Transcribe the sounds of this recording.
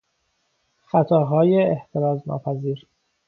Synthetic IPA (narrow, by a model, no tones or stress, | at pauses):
xæt̪ʰɒːɦɒːjeːht̪ʰeɾɒːznɒ̰ːpʰæziːɾ